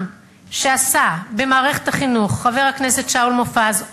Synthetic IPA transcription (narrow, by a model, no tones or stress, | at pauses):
ʃeasabe̞maːʁe̞χethaχinuχːave̞ʁhakne̞se̞tʃaulmofaz